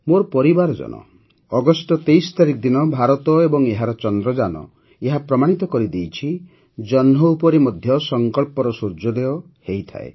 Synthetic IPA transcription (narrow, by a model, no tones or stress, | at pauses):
moɾpɔɾibaɾɔd͡ʒɔ̰nɔ̰ | ɔɡɔsʈɔt̪ejsɔ̥t̪aɾikɔd̪inɔbʱaɾɔt̪ɔebɔŋeɦaɾɔt͡ʃɔnd̪ɾɔd͡ʒanɔ̰ | eɦapɾɔmaɽ̃it̪ɔkɔɾid̪ejt͡ʃʰi | d͡ʒɔnɦɔupɔɾimɔd̪ʱjɔsɔŋkɔɭpɔɾɔsuɾd͡ʒɔd̪eɔ | hejt̪ʰa̰ḛ